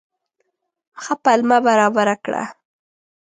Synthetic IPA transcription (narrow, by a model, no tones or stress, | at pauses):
xapalmabaɾɑbaɾakɽa̰